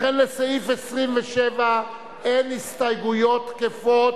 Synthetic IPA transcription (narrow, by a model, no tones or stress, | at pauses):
enlesaifesʁimveʃeva | enhist̪ajɡujo̞t̪kefot